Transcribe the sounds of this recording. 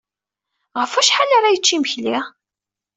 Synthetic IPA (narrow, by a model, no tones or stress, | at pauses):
ʁəfæʃħalaɾˤajət͡ʃːiməçli